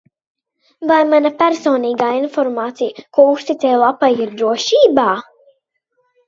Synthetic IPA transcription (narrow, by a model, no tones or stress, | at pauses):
vajmanapæɾsɔːniːɡaːinfɔɾmaːt̪sijəkuɔust̪it̪sɛjlˠapajiɾd̪ɾuɔʃiːbaː